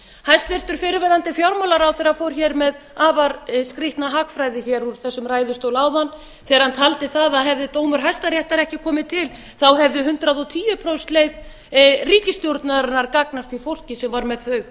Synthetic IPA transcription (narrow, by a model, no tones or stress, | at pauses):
hajst̪vɪr̥t̪ʏɾ̥fɪːɾɪvɛðant̪ɪfjawɾmawlaɾawθɛːɾafowɾ̥çɛɾmɛð | aːvaɾskɾɪht̪naɦaːkfɾaːjðɪçɛɾuɾθɛsːʏmraːjðʏ̥st̪owlaːwðan | θɛːɣaɾ̥hant̪ʰalt̪ɪθaðaðɦɛvðɪt̪oːwmʏɾ̥ɦajst̪aɾjɛht̪aɾɛhcɪkʰɔːmɪt̪ʰɪl | θawɦɛvðʏɦʏnt̪ɾaðɔt̪ʰiːjʏpʰɾowst̪lejð | riːcɪst̪jowɾt̪naɾanːaɾkaknast̪ifowl̥cɪsɛmvaɾmɛðθœɥɣ